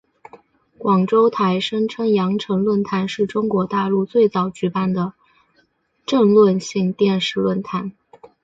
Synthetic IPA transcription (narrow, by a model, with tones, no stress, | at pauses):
kwɑ˨˩ŋʈ͡ʂo˥ʊt̪ʰa˧˥ɪʂə˥ŋʈ͡ʂʰɤ˥ŋjɑ˧˥ŋʈ͡ʂʰɤ˧˥ŋlwə˥˩nt̪ʰa˧˥nʂɻ̩˥˩ʈ͡ʂʊ˥ŋkwɔ˧˥t̪a˥˧lu˥˧t͡swe˥˩ɪt͡sɑ˨˩ʊt͡ɕy˧˥pa˥˩nd̪ə˩ | ʈ͡ʂə˥˧ŋlwə˥˧nɕi˥˧ŋt̪jɛ˥˧nʂɻ̩˥˧lwə˥˩nt̪ʰa˧˥n